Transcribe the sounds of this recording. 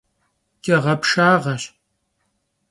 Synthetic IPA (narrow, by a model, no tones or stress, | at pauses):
kʼɐʁɐpʂaːʁɐɕ